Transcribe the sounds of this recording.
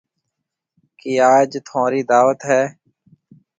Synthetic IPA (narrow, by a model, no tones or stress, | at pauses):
kiːaːd͡ʒt̪ʰõːɾiːd̪aːʋət̪ɦɛː